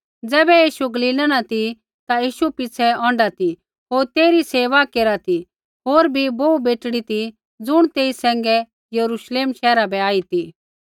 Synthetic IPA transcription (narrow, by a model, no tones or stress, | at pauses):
d͡zɛːbɛjiːʃuɡɐliːlanat̪i | t̪ajiːʃupɪt͡sʰɛɔ̃ːɳɖat̪i | ɦoːɾt̪eːɾiseːʋakeːɾat̪i | ɦoːɾbʱiboːubeːʈɽit̪i | d͡zʊɽ̃t̪eːisɛ̃ːŋɡɛ | jɐɾuʃleːmʃɛːɾabʱɛaːit̪i